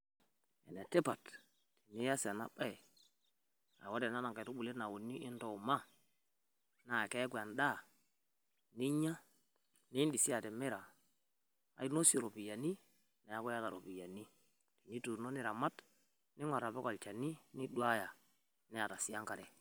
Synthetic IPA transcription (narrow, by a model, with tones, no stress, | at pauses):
ɛ̰˨nɛ˨te˦pa˨t | ti˨ni˦ja˦sɛ˨na̰˦ba˦˨ | a̰˨wo˦dɛ˨na˦na˨ŋka˨tu˦bu˨le˦na˨wu˨nːi˦ʔɪ˦nto˨ma˦ | na˨kɛ˦kwa˨nda˦˨ | ni˦ɲa˦ | nɪ˦ndi˨si˦a˨tɛ˨mɛ˦ɾa˨ | a̰˨i˦no˦si˨ɾo˨pi˨ja˨ni˦ | na˨ja˦kɔ˦ja˦ta˨ɾo˨pi˨ja˨ni˦ | ti˨ni˦tu˨no˦nɪ˦ɾa˨ma˦t | nɪ˦ŋwa˨ɾa˨bɛ˦ka˨lt͡ʃa˨ni˦ni˦dwa˦ja˨ | nɛ˦a˨ta˨si˦a˦ŋka˨ɾɛ˨